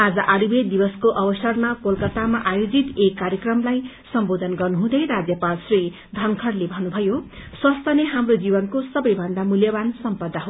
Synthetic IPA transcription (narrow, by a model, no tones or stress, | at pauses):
ad͡zʌʔaɽubed̪ibʌskoʔʌbʌsʌrnʌkolkʌt̪amaʔajod͡zit̪ekːaɾjʌkrʌmlaj | sʌmbod̪ʱʌnɡʌrnuɦũd̪ʌjɾad͡zjʌpalsri | d̪ʱʌŋkʰʌrlebʱʌnubʱʌjoswʌst̪ʰʌneɦamrod͡zibʌnkosʌbʌjbʱʌnd̪amuljʌbansʌmpʌd̪ːaɦo